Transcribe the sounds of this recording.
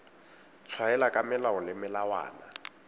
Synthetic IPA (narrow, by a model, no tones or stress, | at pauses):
t͡sʰwaɛlakʼamɪlaɔlɪmɪlawa̰ːna̰